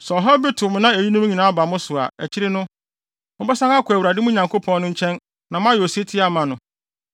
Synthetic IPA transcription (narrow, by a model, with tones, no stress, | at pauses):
sɔ˨ɦɔ˦bɪ˦tʰʊ˨m˦nã˦æ˨ji˦nʊ̃˦m˦ɲĩ˨nã˨˦a˦ba˨mʊ̃˦sʊ˨a̰˨ɛ˨t͡ɕʰɪ˦ɾɪ˦nʊ̃˦ | mʊ̃˦bɛ˦sã˦ŋa˦kʰæ˨wu˨ɾa˨dɪ˦mʊ̃˦ɲã˨ŋkʰo˦pʰɔ̃˦nnʊ̃˦ɲ̩˦t͡ɕʰɛ̃˦n | nã˨m˦ã˦jo˨se˦tʰɪ˦a˨mã˨nʊ̃˨